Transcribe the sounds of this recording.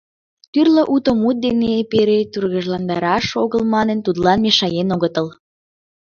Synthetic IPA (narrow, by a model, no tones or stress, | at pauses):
t̪yrləʔut̪omut̪̚d̪enepeɾet̪urɣəʒlɑnd̪ɑɾɑʃoɣəlmɑnənt̪ud̪lɑnmeʃɑjenoɣət̪əl